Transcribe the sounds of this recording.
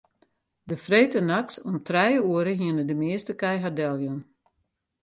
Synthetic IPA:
dəfreːtənaksɔmtrɛjəuəɾəɦiənədəmɪəstəkɛjɦadɛlˠjun

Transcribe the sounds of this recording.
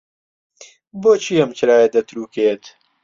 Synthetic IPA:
boːt͡ʃʰiːɐmt͡ʃʰɾaːjed̪ɐt̪ɾuːkeːt̪

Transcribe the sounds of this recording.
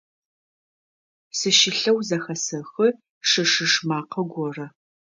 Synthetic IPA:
sɨʃɪɬɐwzɐxɐsɐxɨ | ʂɨʂɨʂmaːqʰɐɡʷɔrɐ

